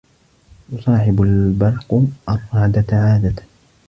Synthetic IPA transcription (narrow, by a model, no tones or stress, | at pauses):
jʊsˤɑːħɪbalbɑlqʔɑrˤːɑːd̪aʕaːd̪at̪